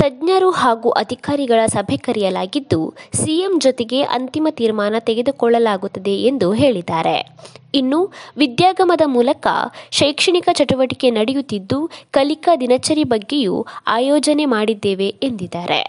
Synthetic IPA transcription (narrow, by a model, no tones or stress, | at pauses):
t̪ɐdɲɐɾuhaːɡuːʔɐd̪ʱikaːɾiɡɐɭɐsɐbʱekɐɾijɐlaːɡid̪ːusijemd͡ʒɔt̪eɡe̞ʔɐ̰nt̪imɐt̪iːɾmaːnɐt̪eɡe̞d̪ukɔɭːɐlaːɡut̪ːɐd̪e̞end̪uɦe̞ːɭid̪ːaːɾḛinːuʋid̪jaːɡɐmɐd̪ɐmuːlɐkɐ̰ʃɐjkʂɐɳikɐt͡ʃɐʈuʋɐʈike̞nɐɽejut̪ːid̪ːukɐlikɐd̪inɐt͡ʃɐɾibɐɡːe̞jṵaːjɔːd͡ʒɐne̞maːɽid̪ːeːʋe̞end̪id̪ːaːɾḛ